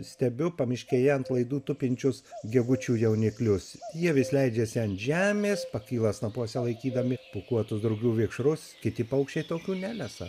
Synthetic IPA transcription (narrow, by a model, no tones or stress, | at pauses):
sʲt̪ʲɛbʲʊpɐmʲɪʃʲkʲeːjɛɐnt̪lˠɐɪd̪uːt̪ʊpʲɪnʲt͡ʃʲʊsɡʲɛɡʊt͡ʃʲuːjɛʊnʲɪklʲʊsjiɛʋʲɪslʲɛɪd͡ʒʲeːsʲɪɐnʒʲæːmʲeːspɐkʲiːlˠɐsnɐpuɔsʲɛlˠɐɪkʲiːd̪ɐmʲɪpukuɔt̪ʊsd̪ɾɐʊɡʲuːʋʲɪkʃɾʊskʲɪt̪ʲɪpɐʊkʃʲt͡ʃʲɛɪt̪oːkʲuːnʲæːlʲɛsɐ